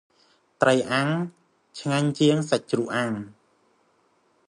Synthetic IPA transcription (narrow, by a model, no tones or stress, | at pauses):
t̪rəjʔaŋ | t͡ɕʰŋaɲt͡ɕiəŋsəc̚t͡ɕruʔaŋ